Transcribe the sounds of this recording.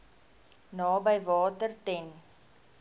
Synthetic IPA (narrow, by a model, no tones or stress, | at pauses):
nɑːbəjvɑːtərtɛn